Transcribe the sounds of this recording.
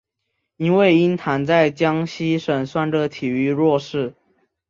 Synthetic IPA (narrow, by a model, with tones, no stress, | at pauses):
i˦nwe˥˨ɪi˦˥nt̪ʰa˨˦nt͡sa˥˩ɪt͡ɕjɑ˦ŋɕi˦ʂə˨˩nswa˥˩nʈ͡ʂə˧˩t̪ʰi˨˩y˧˥ɻwɔ˥˧ʂɻ̩˥˩